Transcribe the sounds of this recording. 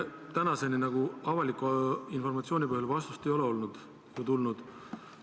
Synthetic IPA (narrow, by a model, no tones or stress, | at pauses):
t̪ænɑse̞ninɑɡ̥uɑvɑlikːˑuinfo̞rmɑt̪sioːnipɤhjɑlvɑst̪u̥st̪e̞jo̞leo̞lnud̪̥ | jɑt̪ulnud̪̥